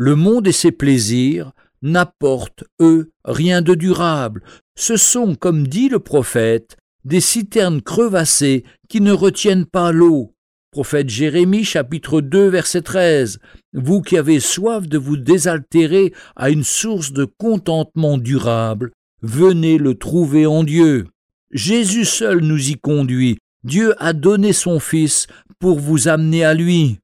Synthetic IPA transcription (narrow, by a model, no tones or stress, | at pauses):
ləmɔ̃d̪esepleziʁ | napɔʁt̪ø | ʁjɛ̃d̪əd̪yʁabl | səsɔ̃kɔmd̪iləpχɔfɛt̪ | d̪esit̪ɛʁnkχəvase | kʲinəʁət̪jɛnpalo | pχɔfɛt̪ʒeʁemiʃapit̪χəd̪øvɛʁsɛt̪χɛzvukʲiaveswafd̪əvud̪ezalt̪eʁea̰ynsuʁsd̪əkɔ̃t̪ɑ̃t̪mɑ̃d̪yʁabl | vənelət̪χuveɑ̃d̪jø | ʒezysœlnuzikɔ̃d̪ɥi | d̪jøʔad̪ɔnesɔ̃fis | puʁvuzamnealɥi